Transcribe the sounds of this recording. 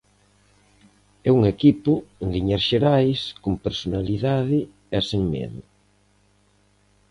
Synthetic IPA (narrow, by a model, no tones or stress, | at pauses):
ɛuŋekipʊeŋɡiɲaɾʃeɾajskompeɾsonaliðaðɪ | ɛseŋmɛ̰ðʊ